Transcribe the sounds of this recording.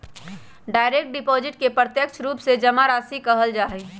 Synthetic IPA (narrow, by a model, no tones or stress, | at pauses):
ɖaːɪɾek̚ʈ̚ɖɪpoːzɪʈkepɾət̪jəkt͡ʃʰɾuːpsed͡ʒɐmaɾaːsikɐɦəld͡ʒaːɦe